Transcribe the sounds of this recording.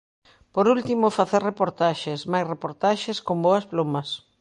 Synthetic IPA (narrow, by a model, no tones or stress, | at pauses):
poɾult̪imofaθeɾrepoɾt̪aʃesmajsrepoɾt̪aʃɪskomboɐsplomɐs